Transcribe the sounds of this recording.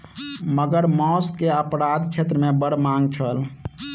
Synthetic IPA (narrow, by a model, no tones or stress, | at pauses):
məɡəɾmɔskeəpɾad̪t͡ʃʰet̪ɾəmebəɽmaŋɡt͡ʃʰəl